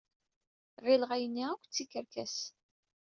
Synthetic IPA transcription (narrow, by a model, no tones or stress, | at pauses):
ʁɪlʁajənːiækʷːt͡sːikːəɾkæ̰s